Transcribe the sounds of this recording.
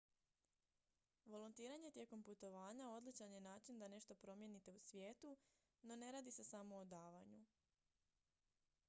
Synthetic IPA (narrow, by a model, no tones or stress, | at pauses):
ʋo̞lunt̪iːɾaɲe̞t̪je̞ːko̞mput̪o̞ʋaːɲao̞d̪lit͡ʃanje̞naːt͡ʃind̪ane̞ʃt̪o̞pɾo̞mje̞nit̪e̞usʋjeːt̪u | no̞ne̞ɾaːd̪ise̞samo̞ːd̪aːʋaɲu